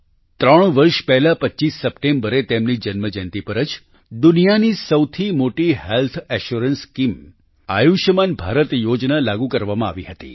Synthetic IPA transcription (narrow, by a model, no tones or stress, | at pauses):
t̪ɾəɳ̃ʋəɾʃpɛɦlapətːʃisːəpʈembəɾet̪emnid͡ʒənməd͡ʒənt̪ipəɾəd͡ʒ | d̪unijanisəwt̪ʰimoʈihelt̪ʰɛʃuɾənskim | a̰juʃəmanbʱaɾət̪jod͡ʒnalaɡũkəɾʋamãaʋiɦət̪ḭ